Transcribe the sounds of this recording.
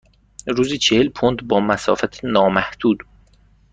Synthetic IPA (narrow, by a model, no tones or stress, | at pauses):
ɾuːzit͡ʃʰehelpʰond̪bɒːmæsɒ̰ːfæt̪ʰenɒːmæhd̪̥uːd̪